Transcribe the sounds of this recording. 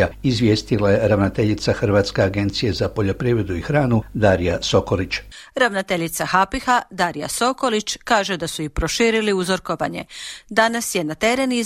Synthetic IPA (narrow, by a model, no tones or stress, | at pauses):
aizʋʲje̞ːst̪ilaje̞ɾaʋnot̪e̞ʎit̪saxr̩ʋat̪ske̞aɡe̞nt̪sije̞zapo̞ʎo̞pɾiːʋɾe̞d̪uixɾaːnud̪aːɾijaso̞kolit͡ʃɾaʋnot̪eʎit̪saxapixad̪aɾija̰so̞ko̞lit͡ʃkaːʒe̞d̪asuipɾo̞ʃiːɾiliuzoɾkoʋa̰ɲe̞̰d̪anasje̞nat̪e̞ɾe̞ni